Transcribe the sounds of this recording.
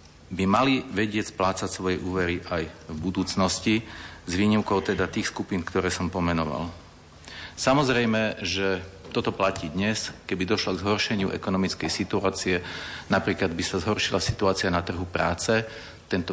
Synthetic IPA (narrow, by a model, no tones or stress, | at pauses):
bimaliʋɛɟɪɛt͡splaːt͡sacsʋɔjɛʔuːʋɛɾiʔajvbud̪uːt͡snɔscizʋiːɲiʊkɔʊt̪ɛd̪at̪iːxskupiːnkt̪ɔɾɛːsɔmpɔmɛnɔʋa̰l | samɔzɾɛjmɛʒɛt̪ɔt̪ɔplaciːd̪ɲɛskɛbid̪ɔʃlɔɡzɦɔɾʃɛɲɪṵʔɛ̰kɔnɔmit͡skɛjsit̪uaːt͡siɛnapɾiːklad̪bisazɦɔɾʃilasit̪uaːt͡sianat̪r̩ɦupɾa̰ːt͡sɛ | t̪ɛnt̪ɔ